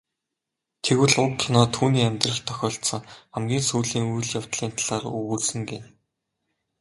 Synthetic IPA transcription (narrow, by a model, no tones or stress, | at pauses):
t̪ʰeɣɘ̆ɮʊt̪ʰʊnɔːt̪ʰuːniːæmʲt̪rə̆ɬt̪ʰœxʲɔːɬt̪sə̆ŋχamɡʲiːnsujɮiːŋujɮjaw̥t̪ɮiːnt̪ʰaɮaːrɵɣursɘ̆ŋɡen